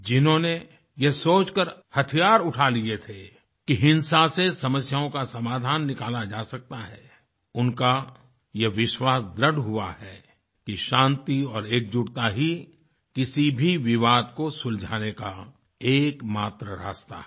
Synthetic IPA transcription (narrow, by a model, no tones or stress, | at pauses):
d͡ʒɪnɦõne | jesoːt͡ʃkəɾhɐt̪ʰijaːɾʊʈʰaliet̪ʰe | kiɦɪ̃nsasesɐməsjaõkasɐmaːd̪ʱaːnːɪkaːlad͡ʒaːsɐk̚t̪aɦɛ | ʊnka | jeʋɪʃwaːsd̪ɾəɖɦuahɛ | kiʃãːnt̪iɔːɾeːk̚d͡ʒʊɽt̪aɦi | kɪsibʱiʋɪʋaːd̪kosʊld͡ʒʱaːneka | eːkmaːt̪ɾəɾa̰ːst̪a̰